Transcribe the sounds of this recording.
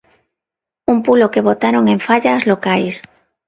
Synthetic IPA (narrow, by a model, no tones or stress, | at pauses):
umpulokeβ̞ot̪aɾoŋẽɱfaʎazlokajs